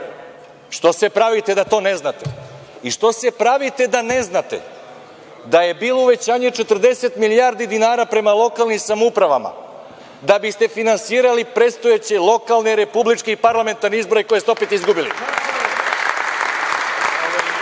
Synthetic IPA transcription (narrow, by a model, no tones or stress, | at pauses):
ʃt̪o̞sepɾaʋit̪e̞d̪at̪o̞ːne̞znat̪ḛ | iʃt̪o̞se̞pɾaʋit̪e̞d̪ane̞znat̪ḛ | d̪aje̞biːlˠo̞uʋe̞t͡ɕaːɲet͡ʃet̪r̩d̪e̞se̞t̪miliaːɾd̪id̪inaːɾapɾe̞malˠo̞kalˠnimsamupɾaʋa̰ma̰ | d̪abist̪e̞finansiːɾalipɾet̪st̪ojet͡ɕe̞lˠo̞kalˠneɾe̞publit͡ʃkeipaɾlˠame̞nt̪aɾneizbo̞ɾeiko̞jesopet̪izɡubilḭ